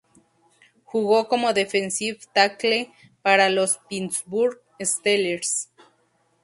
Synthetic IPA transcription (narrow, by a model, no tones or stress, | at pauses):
xuɣokomoðefensiβt̪akle | paɾalospinsbuɾɣ | est̪eleɾs